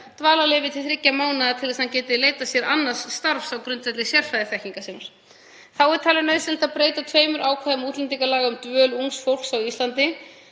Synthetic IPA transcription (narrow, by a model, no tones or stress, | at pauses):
t̪vaːlaleːvɪt̪ʰɪlθɾɪcːamaːwnaðat̪ʰɪlɛsahancɛːt̪ɪleːjt̪asjɛɾanːaɾ̥st̪aɾfsawkɾʏnt̪vɛt̪lɪsjɛr̥fajðɪθɛhciŋkasɛmaɾ̥ | θawɛɾt̪ʰaːlɪnœːɥsɛl̥t̪aðpɾeːjt̪at̪ʰvœːɥmʏɾʔaːwkʰvaːðɪmuːt̪lɛnt̪iŋkalaːɣaʏmt̪vœːluŋsfowl̥ksawist̪lant̪ɪ